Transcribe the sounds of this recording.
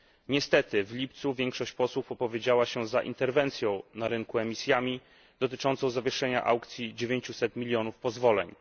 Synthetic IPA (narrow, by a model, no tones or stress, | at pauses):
ɲɛst̪ɛt̪ɘvlʲip̚t̪suvʲjɛŋkʂɔɕt͡ɕpɔswufɔpɔvʲjed͡ʑawaɕɛzaʔḭnt̪ɛɾvɛnt̪sʲjɔ̃w̃naɾɘŋkuɛmʲisʲjamʲi | d̪ɔt̪ɘt͡ʂɔnt̪sɔ̃w̃zavʲjɛʂɛɲa̰ʔa̰wkt̪sʲjid͡ʑevʲjeɲt͡ɕusɛt̪mʲilʲjɔnufpɔzvɔlɛ̰ɲ